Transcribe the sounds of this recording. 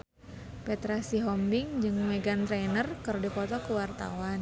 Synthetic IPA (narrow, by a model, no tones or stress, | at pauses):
pɛt̪ɾasiɦɔmdɪŋd͡ʒɨŋmeɡant̪ɾenərkɨrdipɔt̪ɔkəwart̪a̰wan